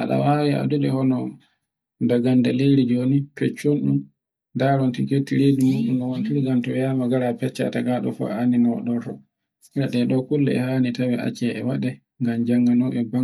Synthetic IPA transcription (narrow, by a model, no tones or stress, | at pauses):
ʔaɗa̰wawia̰duɗɛhɔnɔ | daɡandaleɾid͡ʒonipɛt͡ʃːonɗum | daɾɔntiketːiɾedimuɗumnɔwontiɾiɡantɔjamaɡaɾapɛt͡ʃːa̰taɡaɗɔ̰fa̰aninɔw̰ɗɔtɔ | ɾaɗɛɗɔkulːɛ̰ɛ̰haːnitawia̰t͡ʃɛɛwaɗɛ | ŋɡamd͡ʒaŋɡanɔɓɛbaŋ